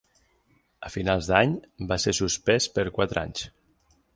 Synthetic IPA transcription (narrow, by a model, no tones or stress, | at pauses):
əfinalˠzðaɲbasesuspɛspəɾkwat̪ɾa̰ɲs